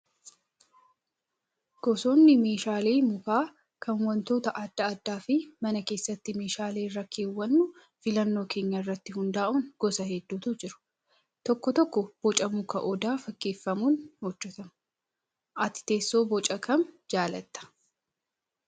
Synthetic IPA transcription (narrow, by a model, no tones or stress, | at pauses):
ɡ̥ɔso̞ːnːɪme̞ːʃaːleːmʊkaː | kʰɐnwɐnt̪o̞ːt̪ɐʔɐd̪ːɐɐd̪ːaːfɪmɐnɐke̞ːsːɐt̪ːɪme̞ːʃaːleːrɐkʰːeːwːɐnːʊ | fɪlɐnːo̞ːkʰe̞ːɲːɐɪrːɐt̪ːɪhʊnd̪aːʔuːnɡ̥ɔsɐɦɛd̪ːuːt̪ʊd͡ʒɪɾʊ̥ | t̪ɔkːɔt̪ɔkːɔb̥ɔt͡ʃʼɐmʊkɐʔɔd̪aːfɐkːeːfːɐmuːnhɔd͡ʒːɛt̪ɐm | ʔɐt̪ɪ̥t̪e̞ːsːo̞ːbɔt͡ʃʼɐkɐnd͡ʒaːlɐt̪ːɐ̥